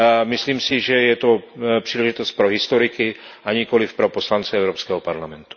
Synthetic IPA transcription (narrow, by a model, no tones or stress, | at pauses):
mɪsliːmsɪʒɛjɛt̪opr̥iːlɛʒit̪ost̪̚pɾoɦɪst̪oɾɪkɪ | ʔaɲikolɪfpɾoposlant͡sɛɛwɾopskɛːɦopaɾlamɛnt̪u̥